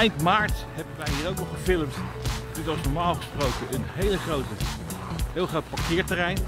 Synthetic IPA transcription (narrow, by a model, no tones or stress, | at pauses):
ɛjntmaːɹthɛbənʋɛjɦiːɾowknɔχəfɪləmt | nɛtɑlˠsnɔɹmaːlˠχəsprowkəənɦejləχrotə | ɦeːlˠχrowt̚paɹkɪːɹtərɛjn